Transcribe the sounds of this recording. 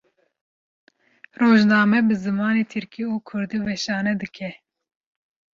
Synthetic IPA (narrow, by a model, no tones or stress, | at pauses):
roːʒnɑːmɛbɨzɨmɑːneːt̪ʰɨɾkiuːkʰʊɾd̪iːwɛʃɑːnɛd̪ɨkʰɛ